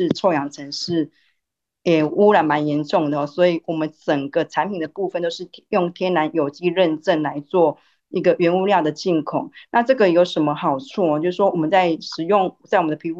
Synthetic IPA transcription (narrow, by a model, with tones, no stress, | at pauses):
ʈ͡ʂʰo˥˩ʊjɑ˨˥ŋt͡sʰə˧˥ŋʂɻ̩˥˩ | jɛ˨˩u˥ɻa˧˥nma˧˦njɛ˧˥nʈ͡ʂʊ˥˩ŋd̪ə˩˨˩swɔ˧˥i˨˩wɔ˨˩mə˨˦nʈ͡ʂə˨˩ŋɡə˦ʈ͡ʂʰa˧˦npʰi˨˩nd̪ə˩pu˥˧fə˥˨nt̪o˥ʊʂɻ̩ʰ˥˧jʊ˥˩ŋt̪ʰjɛ˥nna˧˦njo˨˩ʊt͡ɕi˥ɻə˥˧nʈ͡ʂə˥˩nla˧˦˥ɪt͡swɔ˥˩ | i˧˥ɡə˨ɥɛ˧˥nu˥˧ljɑ˥˩ʊd̪ə˩t͡ɕi˥˩nkʰʊ˨˩˦ŋna˥˧ʈ͡ʂɤ˥˩ɡə˨˩jo˧˥ʊʂə˧˦nmə˧xɑ˨˩ʊt͡sʰu˥˩ɔ˨t͡ɕjo˥˧ʊʂ̩˥˩ʂwɔ˥wɔ˨˩mə˨˦nt͡sa˥˩ɪʂɻ̩˨˩jʊ˥˩ŋt͡sa˥˩ɪ˨mə˨nd̪ə˨i˧˥